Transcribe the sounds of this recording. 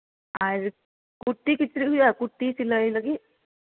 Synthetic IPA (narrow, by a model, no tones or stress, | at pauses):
aɾ | kuʈːikit̪ɾijakuʈːisiləilaɡi